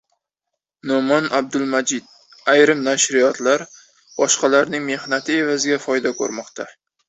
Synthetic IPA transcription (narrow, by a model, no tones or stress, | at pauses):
nomɒnab̚d̪ʊlˠmad͡ʒɪd̪̚ | ajɾɪmnaʃɾɪjɒt̪laɾ | b̥ɒʃqɑlaɾnɪŋme̞hnat̪ʰɪe̞vazɪɡʲafɒjd̪akʰɵ̰ɾmɒqt̪ʰa